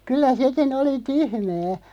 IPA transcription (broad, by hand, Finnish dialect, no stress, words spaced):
kylːæ sekin oli tyhmæː